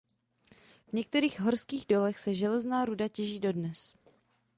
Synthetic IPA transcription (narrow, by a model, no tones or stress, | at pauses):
vɲɛk̚t̪ɛɾiːɣɦo̞ɾskiːɣdo̞lɛxsɛʒɛlɛznaːɾudacɛʒiːdo̞dnɛs